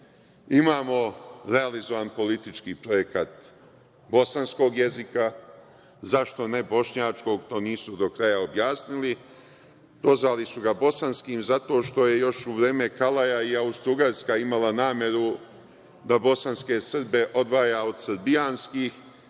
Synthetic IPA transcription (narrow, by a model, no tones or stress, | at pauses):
imaːmo̞ɾe̞alizo̞ʋanpo̞lit̪it͡ʃkiːpɾo̞je̞kat̪ | bo̞sansko̞ːɡje̞zika | zaʃt̪o̞ne̞bo̞ʃɲaːt͡ʃko̞ɡt̪o̞ːniːsud̪o̞kɾajaobjaːsnili | d̪̥o̞zʋalisuɡabo̞sanskiːmzat̪o̞ʃt̪o̞je̞jo̞ʃuʋɾe̞ːme̞kalajaiaust̪ɾuɡaɾskaimalanaːmje̞ɾu | d̪abo̞sanske̞sr̩be̞ʔo̞d̪ʋaːjaːod̪sɾbijaːnskiːx